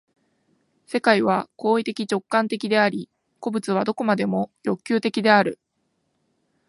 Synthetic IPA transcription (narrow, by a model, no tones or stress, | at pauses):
se̞kaiβ̞ako̞ːit̪e̞kʲit͡ɕo̞kːãnt̪e̞kʲid̪e̞aɾʲi | ko̞bɯ̟t͡sɨβ̞ad̪o̞ko̞mad̪e̞mo̞jo̞kʲːɨːt̪e̞kʲid̪e̞aɾɯ̟̰